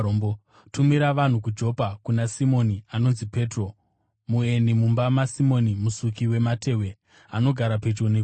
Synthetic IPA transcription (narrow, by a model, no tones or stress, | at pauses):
bo | tumiɾaʋan̤ukud͡ʒo̞pakunasimo̞niano̞nzipe̞ːtro̞ | muenimumbamasimo̞nimusukiwe̞mate̞we̞ | ano̞ɡʱaɾape̞t͡ʃone